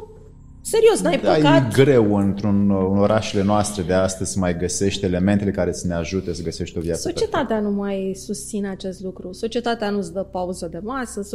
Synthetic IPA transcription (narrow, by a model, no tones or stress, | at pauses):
se̞ɾio̞snajpd̪jetɡɾe̞wɨnt̪ɾunɨno̞ɾʔaʃele̞noast̪ɾe̞d̪e̞ast̪əz̥ʲmajɡəse̞ʃt̪ʲe̞le̞ment̪ele̞kaɾe̞t̪sne̞aʒut̪esəɡəse̞ʃt̪ʲo̞vjat̪sot͡ʃəie̞t̪at̪eanumajsust̪sineat͡ʃe̞st̪lukɾuso̞t͡ʃie̞t̪at̪eanusd̪əpauzəd̪e̞masəs